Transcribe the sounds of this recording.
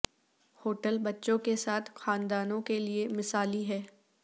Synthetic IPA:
hoːʈəlbɐtːʃõkesaːt̪ʰxaːnd̪aːnõkeliemɪsaːliɦɛː

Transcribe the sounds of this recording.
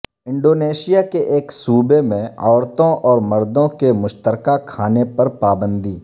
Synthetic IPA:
ɪ̃ɳɖoːneːʃɪjakeʔeːksuːbemẽɔːɾt̪õʔɔːɾmɐɾd̪õkemʊʃt̪əɾkakʰaːnepɐɾpaːbə̃nd̪ʱiː

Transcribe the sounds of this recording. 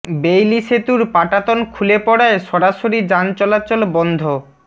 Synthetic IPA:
bejliʃet̪uɾpaʈat̪onkʰulepɔɽaeʃɔɾaʃoɾid͡ʑant͡ɕɔlat͡ɕolbɔnd̪ʱo

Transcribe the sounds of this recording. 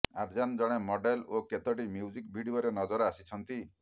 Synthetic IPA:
aɾd͡ʒand͡ʒɔɽ̃emɔɖeloket̪ɔʈimjud͡ʒik̚bʱiɽioɾenɔd͡ʒɔɾɔasit͡ʃʰɔnt̪i

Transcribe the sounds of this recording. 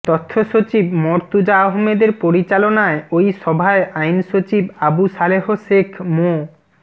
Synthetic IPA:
t̪ɔt̪ʰːoʃot͡ɕibmɔɾt̪ud͡ʑaoɦmed̪eɾpoɾit͡ɕalonaeojʃɔbʱaeʔajnʃot͡ɕibabusaleɦoʃekʰmo

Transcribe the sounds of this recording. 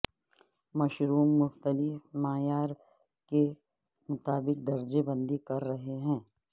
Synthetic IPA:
mɐʃɾuːmːʊxt̪əlɪfmaːjaːɾ | ke | mʊt̪aːbɪk̚d̪ɐɾd͡ʒebɐ̃nd̪ikɐɾːɐɦeɦɛ̃ː

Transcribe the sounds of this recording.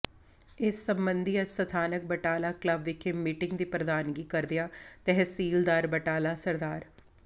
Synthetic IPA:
ɪsːəmbənd̪iɛsət̪ʰaːnək̚bəʈaːlaːkləbʋɪkʰeːmiːʈɪŋɡd̪iːpɾəd̪aːnɡiːkəɾd̪ɪjaːt̪ɛɦsiːld̪aːɾbəʈaːlaːsəɾd̪aːɾ

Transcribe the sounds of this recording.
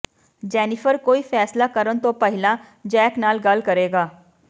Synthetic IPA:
d͡ʒɛːnɪpʰəɾkoːiːfʰɛːslakəɾənt̪õːpəɦɪlã | d͡ʒɛːknaːlɡəlkəɾeːɡaː

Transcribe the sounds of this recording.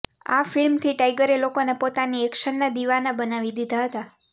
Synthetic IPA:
a̰fɪlmt̪ʰiʈajɡəɾelokonepot̪aniɛkʃənːad̪iʋanabənaʋid̪id̪ʱaɦət̪a

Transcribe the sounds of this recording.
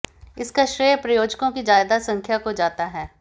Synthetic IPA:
ɪskaʃɾeːjpɾɐjoːd͡ʒkõkid͡ʒaːjd̪asɐ̃ŋkʰjakod͡ʒaːt̪aɦɛː

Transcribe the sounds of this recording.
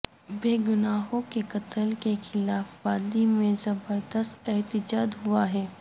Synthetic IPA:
beːɡʊnaːɦõkekɐt̪əlkexɪlaːfʋaːd̪imẽzɐbəɾd̪əst̪ɛɦt̪ɪd͡ʒaːd̪ɦʊaɦɛː

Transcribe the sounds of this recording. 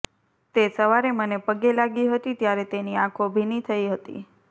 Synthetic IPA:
t̪esəʋaɾemənepəɡelaɡiɦət̪it̪jaɾet̪eniãkʰobʱinit̪ʰəiɦət̪ḭ

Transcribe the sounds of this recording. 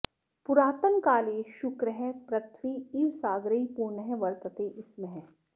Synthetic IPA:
pʊɾaːt̪əŋkaːleʃʊkɾəɦɛ̃pɾɐt̪ʰʋiːiʋsaːɡɾəipuɾnəɦɛ̃ʋɐɾt̪ət̪eʔɪsmẽɦɛ̃ː

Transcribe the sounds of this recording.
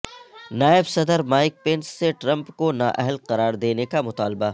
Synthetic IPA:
naːɪbsɐd̪əɾmaːɪk̚pẽːnsːeʈɾɐ̃mpkona̰ːʔɛɦəlqɐɾaːɾd̪eːnekamʊt̪aːlba

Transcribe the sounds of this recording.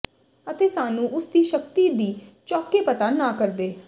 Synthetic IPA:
ət̪eːsaːnũːʔʊsd̪iːʃək̚t̪iːd̪iːt͡ʃɔːkeːpət̪aːnãːkəɾd̪eː

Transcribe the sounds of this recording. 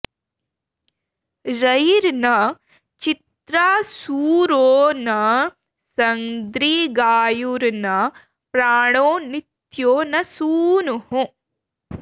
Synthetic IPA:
ɾɐjɾnɐ | t͡ʃit̪ɾaːsuːɾoːnɐ | sɐŋd̪ɾiːɡaːjuɾnɐ | pɾaːɳoːnit̪joːnɐsuːnuɦu

